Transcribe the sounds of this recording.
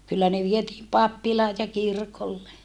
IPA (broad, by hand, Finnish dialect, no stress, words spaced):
kylːæ ne ʋietiːm pɑpːilɑːj jɑ kirkolːe